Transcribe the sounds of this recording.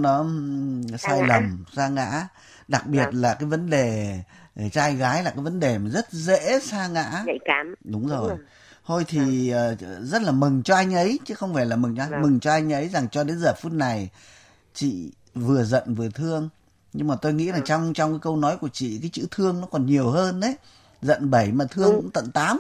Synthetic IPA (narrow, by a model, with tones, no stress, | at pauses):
nɔ˨˦ | saː˧jlə˨˩msaː˧ŋa̰ː˧˥ | ɗa˨˩k̚ɓi˨˩ət̚laː˨˩kaː˨˦jvə˨˦nɗe˨˩ | e˨˩t͡ɕaː˧jɣaː˨˦jlaː˨˩kaː˨˦jvə˨˦nɗe˨˩ma˨˩zə˦˥t̚zḛ˧˥saː˧ŋa̰ː˧˥˧ɗʊ˨˦ŋ͡mzo˨˩jj | t̪ʰo˧jt̪ʰiː˨˩˨ | zə˦˥t̚laː˨˩mɨ˨˩ŋt͡ɕɔ˧ʔa˧jŋ̟ʔə˨˦jt͡ɕɨ˨˦xə˧wŋ͡mfaː˧˩jlaː˨˩mɨ˨˩ŋɔ˧mɨ˨˩ŋt͡ɕɔ˧ʔa˧jŋ̟ʔə˨˦jza˨˩ŋt͡ɕɔ˧ɗe˨˦nzəː˨˩fu˦˥t̚na˨˩j | t͡ɕḭ˧˨ | vɨ˨˩əzə̰˧˨nvɨ˨˩ət̪ʰɨ˧əŋ | ɲɨ˧ŋmaː˨˩t̪o˧jŋḭ˧˥za˨˩t͡ɕɔ˧wŋ͡mt͡ɕɔ˧wŋ͡mkaː˨˦jkə˧wnɔ˨˦jku˧˩ət͡ɕḭ˧˨kaː˨˦jt͡ɕɨ̰˧˥t̪ʰɨ˧əŋnɔ˨˦kɔ˨˩nɲi˨˩əwhəː˧ne˨˦ | zə̰˧˨nɓə˧˩jmaː˨˩t̪ʰɨ˧əŋkʊ̰˧˥ŋ͡mt̪ə̰˧˨nt̪aː˨˦m